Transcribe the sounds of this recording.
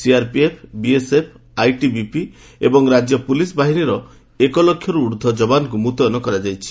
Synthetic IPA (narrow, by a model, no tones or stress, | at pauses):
siaɾpiepʰbiesepʰ | ajʈibipi | ebɔŋɾad͡ʒjɔpulisbaɦiniɾɔ | ekɔlɔkʰːjɔɾuːɾd̪ʱɔd͡ʒɔbanɔk̬umut̪ɔjɔnɔkɔɾad͡ʒajt͡ʃʰi̥